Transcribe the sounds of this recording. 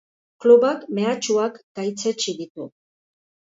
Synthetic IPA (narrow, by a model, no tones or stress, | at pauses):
kluβakme̞at͡ʃuakɡ̥ajt͡set͡ʃiðit̪u